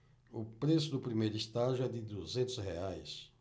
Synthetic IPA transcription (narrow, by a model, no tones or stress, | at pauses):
ʊpɾesʊd̪ʊpɾimejɾʊist̪aʒʊɛd̪ɪd̪uzẽnt̪ʊsheajs